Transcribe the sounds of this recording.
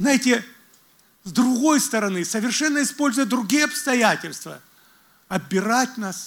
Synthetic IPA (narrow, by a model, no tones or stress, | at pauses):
znajɪtʲɪ | zd̪ɾʊɣo̞jst̪əɾɐnɨsəvʲɪrʂɛnːəɪspo̞lʲzʊjəd̪ɾʊɡʲijəɐpst̪ɐjætʲɪlʲst̪və̰ | ɐbʲɪɾatʲnas